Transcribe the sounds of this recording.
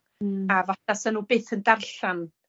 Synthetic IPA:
avɔθasanuːbeːθəndarɬan

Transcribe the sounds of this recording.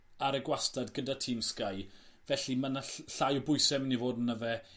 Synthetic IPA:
aɾəɡwastadɡədatʰiːmskajvɛɬimanaɬajɔbʊjsɛmɪnivoːdənːəvɛ

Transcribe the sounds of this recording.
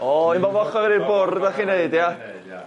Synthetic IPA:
ɔimɔvɔχɔɾiɾbʊrdaχineɨdja

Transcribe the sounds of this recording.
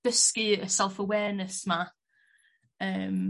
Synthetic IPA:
əskiəsɛlˠfəwɛːnəsma | əːm

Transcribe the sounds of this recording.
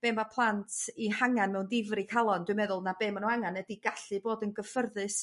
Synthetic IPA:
b̥eːmapʰlˠantʰihaŋanmɛwndɪvrikʰalˠɔndwɨmɛðʊlˠnabeːmanuaŋanədiɡaɬɨboːdənɡəfərðɨs

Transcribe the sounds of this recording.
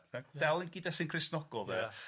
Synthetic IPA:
ad̥ɛlˠinɡɪdɛsɪnkʰrɪsnɔɡɔlˠvɛ

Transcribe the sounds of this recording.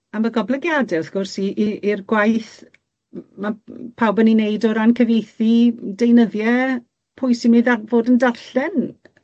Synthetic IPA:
amaɡɔblɛɡjadɛɔθɡ̥ʊrsiʔiʔirɡwajθ | mapʰawbɛninejdɔɾankʰəvejθidejnəðjɛ | pʰʊjsimɨðarvodəndarɬɛn

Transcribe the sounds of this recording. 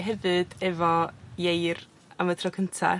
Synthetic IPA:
ɦɛvɨd̥ɛvɔjejr | amədʰrɔkʰəntʰa̰

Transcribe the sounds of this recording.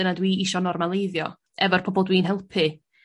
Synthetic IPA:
ənadwiːiʃɔnɔrmalˠejðjɔ | ɛvɔrpʰɔbɔlˠdwiːnɦɛlˠpʰɨ

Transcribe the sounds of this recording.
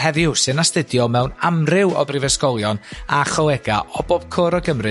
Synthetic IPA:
hɛvɪwsɨnastədjɔmɛwnamrɪwɔ̰brɪvɛskɔlˠjɔnaχɔlɛɡaʔɔboːb̥̚kʰoːɾɔɡəmrɨ

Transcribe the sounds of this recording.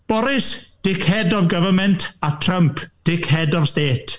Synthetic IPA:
b̥ɔɾɪsd̥ɪkʰhɛdɔvɡəvəmɛntʰatʰrəmpʰd̥ɪkʰhɛdɔvsteːtʰ

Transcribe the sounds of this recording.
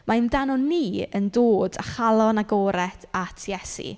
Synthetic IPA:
mʔandanɔniːəndoːda̰χalˠɔnaɡɔːɾɛθatʰjɛsḭ

